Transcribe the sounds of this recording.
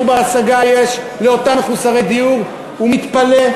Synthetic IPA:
baːsaɡajeʃ | leot̪ameχusaʁed̪iuʁ | umit̪pale

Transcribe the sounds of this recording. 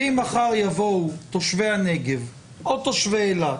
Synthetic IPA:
imaχaʁjavowt̪oʃvehaneɡe̞v | ʔot̪oʃveːla

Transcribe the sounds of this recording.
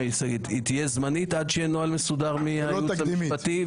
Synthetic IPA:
isaɡitit̪ijezmanit̪ad̪ʃeenoalmesudaʁmiljutampat̪i

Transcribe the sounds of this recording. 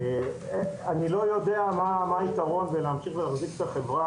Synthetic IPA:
e | anilo̞jo̞d̪e̞amamaait̪aʁo̞nveleːmʃiχvelaχzifet̪aχe̞vʁa

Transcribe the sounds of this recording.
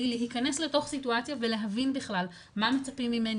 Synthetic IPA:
ileɦikane̞sle̞to̞χsituat͡sjave̞leɦavinbiχlal | mame̞t͡sapimːime̞n

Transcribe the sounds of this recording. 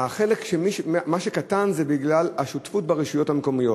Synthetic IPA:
aχe̞lekʃemiʃmaʃekatanzebiɡlalaʃutfutbaʁeʃujo̞thameko̞mijo̞t

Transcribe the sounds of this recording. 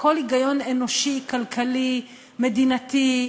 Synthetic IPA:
kolhiɡajonenoʃikalkʰali | med̪inat̪i

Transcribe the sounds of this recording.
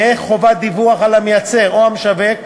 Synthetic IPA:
eχːo̞vad̪ivuaχalamejat͡se̞ʁoamʃavek

